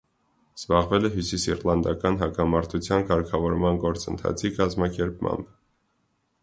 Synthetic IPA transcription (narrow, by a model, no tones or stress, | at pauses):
z̥bɑʁvɛlɛɦjusisirlɑnd̪ɑkɑnɦɑkɑmɑɾt̪ʰut͡sʰjɑnkɑɾkʰɑvɔɾmɑnɡɔɾt͡sənt̪ʰɑ̰t͡sʰikɑzmɑkɛɾp̚mɑ̰mb